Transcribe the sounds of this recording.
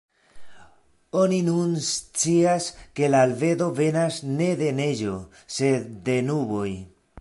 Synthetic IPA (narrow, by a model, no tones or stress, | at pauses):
o̞ninunst͡siaske̞laːlve̞do̞ve̞nasne̞de̞ne̞ʒo̞ | se̞d̪ːe̞nuβo̞j